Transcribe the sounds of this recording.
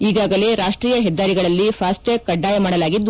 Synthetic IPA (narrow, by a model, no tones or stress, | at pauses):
iːɡaːɡɐle̞ɾaːʂʈɾiːjɐɦɛd̪ːaːɾiɡɐɭɐlːipʰaːsʈekːɐɖːaːjɐmaːɽɐlaːɡid̪ː